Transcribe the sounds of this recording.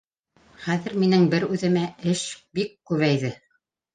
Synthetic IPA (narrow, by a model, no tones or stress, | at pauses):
χæðɘ̆ɾminɘŋbɘɾʉðɘ̆mæɘʃbikːʉβæjðɘ